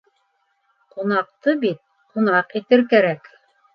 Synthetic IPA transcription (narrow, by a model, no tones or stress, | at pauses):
qunɑq̚t̪ɤbit̪̚ | qunɑqit̪ɘɾkæɾæk